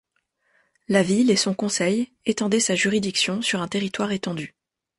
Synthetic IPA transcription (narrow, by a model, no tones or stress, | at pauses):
lavilesɔ̃kɔ̃sɛj | et̪ɑ̃d̪ɛsaʒyʁid̪iksjɔ̃syʁɛ̃t̪eʁit̪waʁet̪ɑ̃d̪y